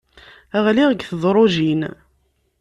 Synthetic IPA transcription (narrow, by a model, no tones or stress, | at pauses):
æʁliʁəɡθəðˤɾˤoʒin